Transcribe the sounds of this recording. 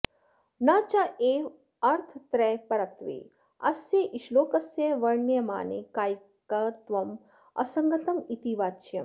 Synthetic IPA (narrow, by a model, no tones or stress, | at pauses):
naːt͡ʃaʔeː | ɐɾt̪ʰt̪ɾɛːpɐɾɐt̪ʋḛː | ɐ̰sjeʔiʃloːkɐsjeʋɐɾnjɐma̰ːnḛkaːj | kɐt̪ʋɐm | ɐ̰sɐŋɡɐt̪ɐmit̪iʋaːt͡ʃjɐm